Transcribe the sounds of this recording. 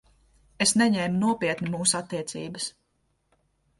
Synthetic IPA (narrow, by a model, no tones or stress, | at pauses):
esnɛɲɛjmnuɔpiɛt̪nimuːsat̪ːiɛt̪sḭːbəs